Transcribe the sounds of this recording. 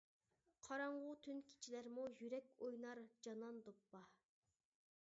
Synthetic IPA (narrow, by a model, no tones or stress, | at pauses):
qʰɑɾɑɴʁʊt̪ʰynkʲʰi̥t͡ʃʰilæɾmujyɾɛkʲojnɑɾd͡ʒɑnɑnd̪opːɑ